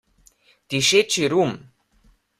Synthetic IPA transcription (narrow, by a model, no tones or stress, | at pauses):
t̪iʃet͡ɕiɾum